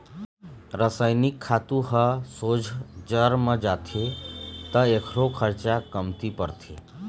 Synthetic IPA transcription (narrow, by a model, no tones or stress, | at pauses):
ɾəsəjnikʰːat̪ũɦəsod͡ʒʱd͡ʒəɾmə̃d͡ʒat̪ʰet̪əekʰɾokʰəɾt͡ʃakəmt̪ipəɾt̪ʰe